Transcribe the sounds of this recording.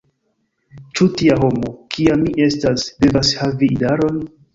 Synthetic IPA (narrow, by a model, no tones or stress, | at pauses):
t͡ʃutiaɦo̞mokʰiamːiʔe̞stasde̞vashaviːdaɾo̞n